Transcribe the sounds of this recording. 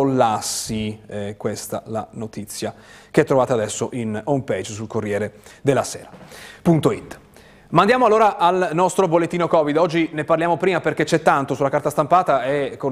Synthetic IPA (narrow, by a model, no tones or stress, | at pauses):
olːasːikwest̪a̰la̰not̪it̪sːja | keɛt̪ːɾovaːt̪ad̪ɛsːoʔinomped͡ʒsulkorːjɛːɾed̪elːaseːɾapunt̪oit̪ː | mand̪jaːmoalːoːɾaʔalnɔst̪ɾobolːet̪ːiːnokɔvid̪ɔd͡ʒːineparljaːmopɾiːmaperk̟et͡ʃɛt̪ːant̪osulakart̪ast̪ampaːt̪aɛkːo